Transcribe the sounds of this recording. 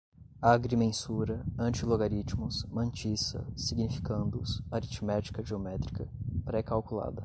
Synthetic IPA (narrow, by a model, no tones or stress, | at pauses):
aɡɾimẽsuɾɐɐ̃nt͡ʃiloɡaɾit͡ʃmʊsmɐ̃nt͡ʃisɐ̰siɡnifi̥kɐ̃nd̪ʊsaɾit͡ʃmɛt͡ʃi̥kɐʒiomɛt̪ɾikɐpɾɛkawkula̰d̪ɐ